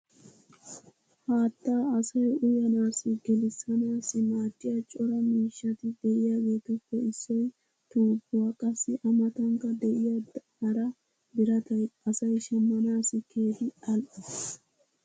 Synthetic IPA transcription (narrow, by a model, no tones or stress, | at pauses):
haːt̪ːaːɐsɐjʊjɐnaːsɪɡɛlɪsɐnaːsɪmaːtːɪjaːt͡ʃʼɔɾɐmiːʃːɐt̪ɪd̪ɛʔɪjaːɡeːt̪ʊkːɔɪsːɔj | t̪uːbːʊwaːkʼɐsːɪʔɐmɐt̪ɐŋkɐd̪ɛʔɪjaːd̪hɐɾɐ | bɪɾɐt̪ɐjɐsɐjʃɐmːɐnaːsɪkʰeːd̪ɪɐl